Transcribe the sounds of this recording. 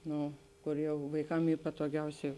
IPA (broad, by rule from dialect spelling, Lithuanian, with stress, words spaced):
ˈnoː ˈkoːr ˈjɛʊ ʋɐɪˈkɐm ˈiː pɐtoːˈɡʲɛʊsʲɛɪ